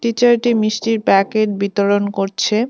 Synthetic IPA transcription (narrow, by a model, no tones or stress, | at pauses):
ʈit͡ɕaɾʈimiʃʈiɾpɛkeʈ̚bit̪oɾonkoɾt͡ɕʰe